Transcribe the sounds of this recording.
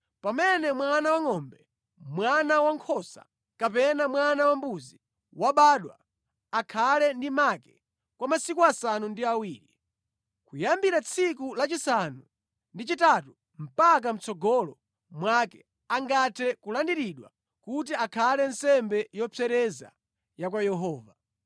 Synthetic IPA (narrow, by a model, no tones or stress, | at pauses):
pamɛnɛmwanawaŋɔmbɛ | mwanawaŋkʰɔsa̰ | kapɛnamwanawambuzi | waɓaːɗwa̰ː | kʰalɛndimakɛ | kwamasikuasanundiawiːɾi | kujambiɾat͡sʰikulat͡ʃisanu | ndit͡ʃitatu | m̩pak̬am̩t͡sɔɡɔlɔ | mwakɛ | aŋɡatʰɛkulandiɾiɗwa̰ | kut̬iakʰalɛn̩sɛmbɛjɔpʰɛɾɛza̰ | jak̬wajɛɦɔːva